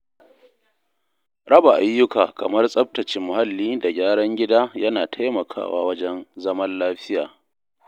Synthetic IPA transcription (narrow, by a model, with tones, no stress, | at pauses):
ɽɐ˦ba˨ʔa˨˦jːʊ˦kaː˨kɐ˨mɐ˦rsʼɐ˦p̚tɐ˨t͡ʃɪ˦mːʊ˨ha˦lːiː˦da˨ɡʲaː˦ɽɐ˦ŋɡʲɪ˦daː˦jɐ˦naː˨tʰa˦jmɐ˨kʰa̰ː˦˨wa̰ː˦wɐ˦d͡ʒɛ˦nzɐ˦mɐ˦nlaː˦ɸɪ˦ja̰ː˨